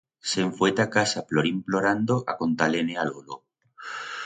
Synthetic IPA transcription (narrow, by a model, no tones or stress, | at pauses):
seɱfoejt̪akasaploɾimploɾand̪oʔa̰kont̪alenealolo